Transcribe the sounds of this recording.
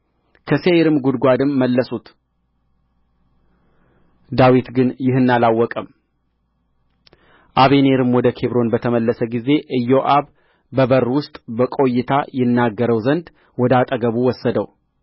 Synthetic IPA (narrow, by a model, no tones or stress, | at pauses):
kʰəseɾɨmɡud̪ɡʷad̪ɨmːəlːəsut̪ | d̪awit̪ɡɨnjɪɦɨnːalawːɔkʼəm | ʔaβene̞ɾɨmwɔd̪əkʰe̞βɾo̞nbət̪ʰəməlːəsəɡize̞ʔɨjːo̞ʔaβ | bəbərːwʊst̪ʼbəkʼo̞jːɪt̪ʰajɪnːaɡːəɾəwzənd̪ | wɔd̪at̪ʼəɡəβuwɔsːəd̪əw